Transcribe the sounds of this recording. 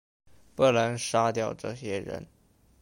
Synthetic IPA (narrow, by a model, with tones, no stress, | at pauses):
pə˥˩la˧˥nʂa˥t̪jɑ˥˧ʊʈ͡ʂɤ̰˥˩ɕjɛ˥ɻə̰˧˥n